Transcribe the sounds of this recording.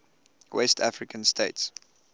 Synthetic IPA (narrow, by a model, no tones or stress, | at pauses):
wɛstʰafɹikə̃nstʰeɪts